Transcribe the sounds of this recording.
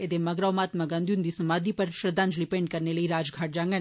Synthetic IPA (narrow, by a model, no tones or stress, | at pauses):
ed̪emɐɡɾawmaːt̪mɐɡãnd̪jund̪isɐmaːd̪ipɐɾʃɾəd̪ʱãːnd͡ʒlipẽːɳʈ̚kɐɾnelɐiɾaːd͡ʒɡʱaːʈ̚d͡ʒãːŋɡən